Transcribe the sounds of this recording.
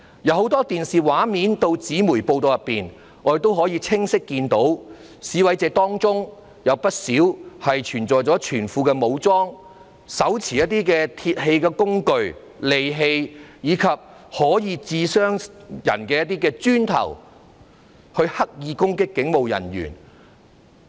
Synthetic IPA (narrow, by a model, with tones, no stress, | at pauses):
jɐ˨˧who˨˥wt̪ɔː˥t̪iː˨nsiː˨waː˨˥miː˨˥nt̪o˧wt͡siː˨˥muː˨˩jpo˧wt̪o˨˧wjɐ˨˩pːiː˨n | ŋɔː˨˧˥e˨t̪o˥wɦɔː˨˥jiː˧t͡sʰɪ˥ŋsɪ˥kːiː˧nt̪o˨˥w | siː˨˥wɐ˨˥jt͡sɛː˨˧t̪ɔː˥ŋt͡sʊ˥ŋ | jɐ˨˧wpɐ˥t̚siː˨˥whɐ˨jt͡ʃʰyː˨˩nt͡sɔː˨jt͡sɔː˨˥t͡ʃʰyː˨˩nfuː˨˧kɛː˧mo˨˧wt͡sɔː˥ŋ | sɐ˨˥wt͡sʰiː˨jɐ˥t̚t̪iː˥kɛː˧t̪ʰiː˧t̚he˧jkɛː˧kʊ˥ŋkɵ˧ɥ | le˨jɦe˧jjiː˨˧kʰɐ˨p̚hɔː˨˥jiː˧t͡siː˧sœː˥ŋjɐ̰˨˩nkɛː˧jɐ˥t̚t̪iː˥kɛː˧t͡syː˥nt̪ʰɐ̰˨˩w | hɵ˧ɥhɐ˥k̚jiː˧kʊ˥ŋkɪ˥kːɪ˨˥ŋmo˨˧wjɐ̰˨˩njy̰ː˨˩n